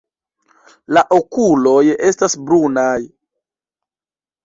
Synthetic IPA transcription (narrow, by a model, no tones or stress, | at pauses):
laʔokulo̞je̞stasbɾunaj